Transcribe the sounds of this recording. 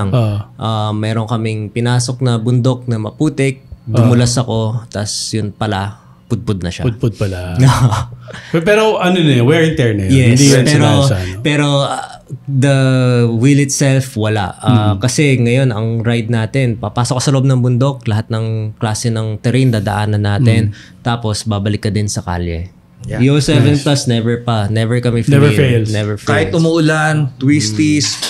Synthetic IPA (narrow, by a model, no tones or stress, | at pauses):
ŋʔaːmɛːɾoŋkɐmɪŋpɪnaːso̞k̚nɐbʊnd̪o̞k̚nɐmɐpuːt̪ɛk̚d̪ʊmʊlasɐko̞t̪ɐ̰sjʊnpɐla | pʊd̪̚pʊd̪̚nɐʃa̰d̪̚pʊd̪̚pɐlaoho | pɛɾoʔɐnonɐwɛɹɪnt̪ɛɹnɛjɛɪnd̪ipɛːɾospɛːɾo̞ | d̪ɐwilɪt̪sɛlfwɐla̰ʔaːkɐsɛŋɐjo̞nɐŋɾajd̪̚naːt̪ɛnpɐpaːsokɐsɐloʔob̚nɐŋbʊnd̪o̞k̚lɐɦat̪̚nɐŋklaːsɛnɐŋt̪ɛɾind̪aːd̪ɐ̰ʔaːnɐnːaːt̪ɛn | t̪aːpo̞sbaːbɐlɪkːɐd̪ɪnsɐka̰ljɛ̰ | josɛvɛnplasnɛvɛɹpɐnɛvɛɹkɐmɛfeɛvɛlelnɛvɛɹfkeaːhɪt̪̚ʔʊmʊʔʊlant̪wist̪is